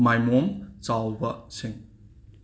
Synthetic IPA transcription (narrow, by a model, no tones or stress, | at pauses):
majmɔmt͡salbɐsiŋ